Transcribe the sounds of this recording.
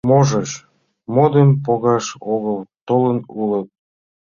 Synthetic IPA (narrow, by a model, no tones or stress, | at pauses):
moʒəʃ | mod̪əmpoɣɑʃoɣəlt̪olənulət̪̚